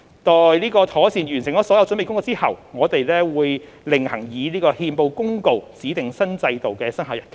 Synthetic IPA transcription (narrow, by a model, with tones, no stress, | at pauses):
t̪ɔː˨jliː˥kɔː˧t̪ʰɔː˨˥siː˨˩njyː˨˩nsɪ˨˩ŋkɔː˨˧˥sɔː˨˥jɐ˨˧wt͡sɵ˨˥me˨jkʊ˥ŋkːwt͡siː˥hɐ̰˨wŋɔː˨˧t̪e˨jlɛː˥wuː˨˧j | lɪ˨ŋhɐ˨˩ŋjiː˨˧liː˥kɔː˧hiː˧mpo˧wkʊ˥ŋko˨˧wt͡siː˨˥t̪ɪ˨ŋsɐ˥nt͡sɐ˧jt̪o˨wkɛː˧sɐ˥nɦaː˨˥wjɐ˨nʰ